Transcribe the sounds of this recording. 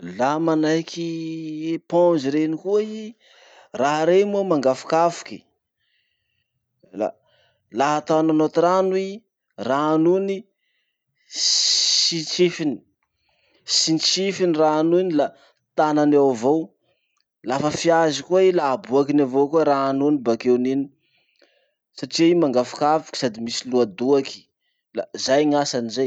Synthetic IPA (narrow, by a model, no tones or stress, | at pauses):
lamanajkʰiepɔ̃nd͡ʒiɾenikuai | raɦɾemuamaŋɡafu̥kafu̥ki̥ | la̰ | laɦat̪ananot̪ɾanui | ranuni | sit͡ʃifini̥ | sint͡sifiniraanuinila | t̪ananawvow | lafəfiazikuailabuakinavokuɾanunibakewnini̥ | saʈ͡ʂiimaŋɡafi̥kavi̥kʲi̥sad̪imisiluad̪uaki̥ | la̰zajŋasanizaj